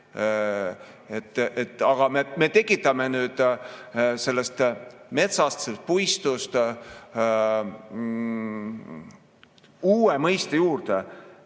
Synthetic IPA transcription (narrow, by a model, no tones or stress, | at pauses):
et̪ːˑet̪ːˑɑɡ̥ɑmeme̞t̪e̞kːˑit̪ːˑɑmenyːd̪̥ | se̞lːest̪met̪sɑst̪selst̪̚pujst̪ust̪ | uːemɤjst̪ejuːrt̪e